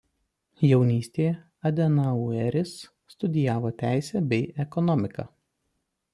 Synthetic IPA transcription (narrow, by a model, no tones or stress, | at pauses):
jɛʊnʲiːsʲt̪ʲeːjɛ | ɐd̪ʲɛnɐuɛɾʲɪsː | t̪ʊd̪ʲɪjæːʋoːt̪ʲæˑɪsʲɛbʲɛɪʔɛkɔnɔmʲɪkɑ̰ː